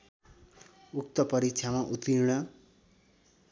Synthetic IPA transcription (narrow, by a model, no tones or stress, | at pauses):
uk̚t̪ʌpʌɾik̚t͡ʃʰjamaʔut̪iɾɽ̃ʌ